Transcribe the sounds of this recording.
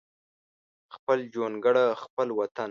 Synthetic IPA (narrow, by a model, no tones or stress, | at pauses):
xpəld͡ʒonɡəɽaxpəlwat̪an